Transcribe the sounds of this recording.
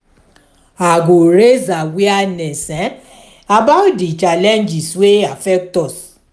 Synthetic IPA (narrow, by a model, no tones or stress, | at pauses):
aɡoɾezawianɛsɛ | abaʊtdit͡ʃalɛnd͡ʒisweafɛk̚tɔs